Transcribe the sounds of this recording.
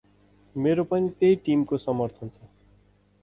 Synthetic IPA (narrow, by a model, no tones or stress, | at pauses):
meɾopʌnit̪ejʈimkosʌmʌrt̪ʰʌnt͡sʰʌ